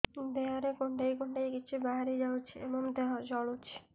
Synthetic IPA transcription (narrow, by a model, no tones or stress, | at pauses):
d̪eaɾekoɳɖajkoɳɖajkit͡ɕʰubaɦaɾid͡ʑawt͡ʃʰiebɔmd̪ead͡ʑɔɭot͡ʃʰi̥